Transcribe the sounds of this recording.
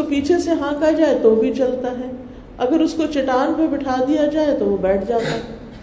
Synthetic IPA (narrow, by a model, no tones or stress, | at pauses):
opiːt͡ʃʰeseɦãːkad͡ʒaːet̪obʱit͡ʃɐlt̪aɦɛː | ɐɡəɾʊskot͡ʃɪʈaːɾpebɪʈʰaːd̪ijad͡ʒaːet̪oʋobɛːʈʰd͡ʒaːt̪aɦɛː